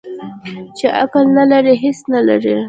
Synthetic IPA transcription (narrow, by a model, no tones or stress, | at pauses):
t͡ʃeʔa̰kalnalaɾiɦesnala̰ɾi